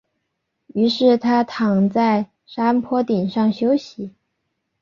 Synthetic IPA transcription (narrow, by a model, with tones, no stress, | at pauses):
y˧˥ʂɻ̩˥˩t̪ʰa˥t̪ʰɑ˨˩ŋt͡sa˥˩ɪ | ʂa˥mpʰwɔ˥t̪i˨˩nʂɑ˥˩ŋɕjo˥ʊɕi˨˧˥